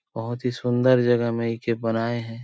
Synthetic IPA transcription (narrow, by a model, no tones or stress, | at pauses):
bɐɦʊt̪ɦisʊ̃nd̪əɾd͡ʒɐɡəɦmẽɪkebɐnaːeɦɛ̃ː